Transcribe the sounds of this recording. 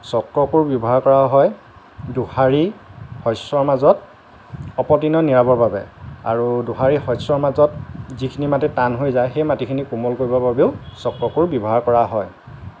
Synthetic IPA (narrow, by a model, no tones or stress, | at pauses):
sɔkːɔkuɹbiɔbɔɦaɹkɔɹaɦɔj | duhaɹihɔjsɔɹmazɔt̚ | ɔpɔtinɔniɹabɔbabɛ̰a̰ɹuduɦaɹixɔsɔɹmazɔt̚zikʰinimatɛtanɦojzajxejmatikʰinikumɔlkoɹibɔbabeʊsɔkːɔkʊɹbibɔɦaɹkɔɹaɦɔj